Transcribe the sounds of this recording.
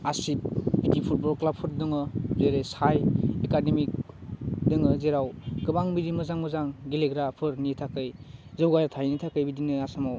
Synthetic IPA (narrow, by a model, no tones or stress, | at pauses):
asip̚bitipʰut̚bɔɾklapʰɯɾdɯŋɯzeɾesajekademik̚ | dɯŋɯzeɾawɡɯbaŋbidimɯzaŋmɯzaŋɡileɡɾapʰɯɾnitʰakɯjzɯwɡajatʰajnitʰakɯjbidinɯasamaw